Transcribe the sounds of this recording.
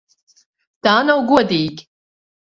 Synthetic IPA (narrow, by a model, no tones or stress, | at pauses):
d̪̥aːnɐwɡuɔd̪iːɡʲ